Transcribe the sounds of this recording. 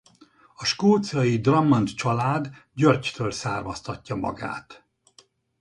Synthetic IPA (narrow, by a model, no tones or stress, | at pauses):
ɒʃkuːt̪sɒjid̪rɒmːont̪t͡ʃɒlaːd̪ɟørct̪øːlsaːrmɒst̪ɒcːɒmɒ̰ɡa̰ːt̪